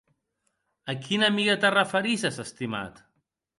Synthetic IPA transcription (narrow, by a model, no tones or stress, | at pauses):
əkʰinəmiɣət̪ərəfəɾizazəst̪ima̰t̪